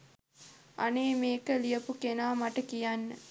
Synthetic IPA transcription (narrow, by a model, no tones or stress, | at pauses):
aneːmeːkəlijəpukenaːmaʈəkijanːə